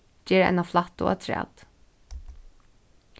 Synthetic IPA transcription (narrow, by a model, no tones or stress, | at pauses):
d͡ʒɛːɾɛ̰naflaht̪ʊ̰a̰t̪ʰɾɛ̰ːt̪